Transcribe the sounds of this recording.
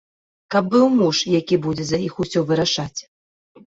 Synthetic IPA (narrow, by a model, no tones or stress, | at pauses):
kɐb̚ːɨwmuʂjakʲibud͡zʲɛzɐixusʲɔvɨɾaʂat͡sʲ